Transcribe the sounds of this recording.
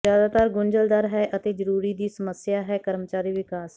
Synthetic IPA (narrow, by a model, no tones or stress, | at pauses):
zjaːd̪aːt̪aːɾɡʊɲd͡ʒəld̪aɾɦɛːʔət̪eːzəɾuːɾiːd̪iːsəməsjaːɦɛːkəɾmət͡ʃaːɾiːʋɪkaːs